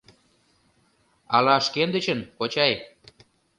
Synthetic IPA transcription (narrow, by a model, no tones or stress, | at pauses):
ɑlɑʃkend̪ə̆t͡ɕənkot͡ɕɑj